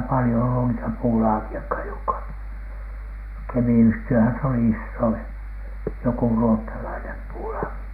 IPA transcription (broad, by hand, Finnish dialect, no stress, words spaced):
pɑlĭjo olːu niːtæ puːlɑːkiɑkhɑj jokːɑ kemiyhtiøhæn se oli isːoin joku ruotːɑlɑinem puːlɑːki